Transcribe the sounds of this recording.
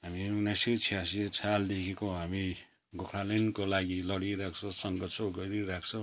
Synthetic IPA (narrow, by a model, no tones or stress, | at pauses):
ɦaminasit͡sʰiasit͡sʰald̪ekʰekoɦami | ɡokʰɾalenkolaɡilʌɽiɾakʰt͡sʰʌsʌŋɡʌt͡sʰʌɡʌɾiɾakʰt͡sʰʌ